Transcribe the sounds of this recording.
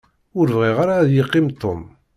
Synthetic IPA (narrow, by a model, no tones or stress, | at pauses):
ʊɾvʁiʁaɾaðjəqːimt̪ˤːom